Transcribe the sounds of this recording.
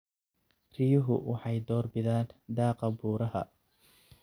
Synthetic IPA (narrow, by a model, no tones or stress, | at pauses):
rɪjʊɦʊ̰wʔɑħɑjd̪ɔːrbɪðaːnd̪ɑːqɐbuːɾɐɦɐ̰